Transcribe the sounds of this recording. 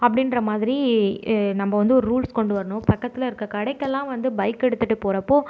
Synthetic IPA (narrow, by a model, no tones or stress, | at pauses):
ɐpːɐɽɪnɾɐmaːðɪɾi | nɐmbɐʋɐnd̪ɯɔɾɯɾuːlskɔɳɖɯʋɐɾɐɳʊ̃pɐkːɐt̪ːɪlɐɪɾɯkːɐkɐɽɐɪkːɛlːãːʋɐnd̪ɯbɐɪkːɛɽɯt̪ːɯʈːɯpoːɾɐpːoː